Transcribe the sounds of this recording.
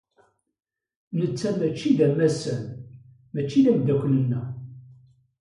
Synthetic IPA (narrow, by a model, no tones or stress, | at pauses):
nət͡sːææt͡ʃːiðæmæsæ̰n | mæt͡ʃːiðæmd̪ːækʷːlənːæ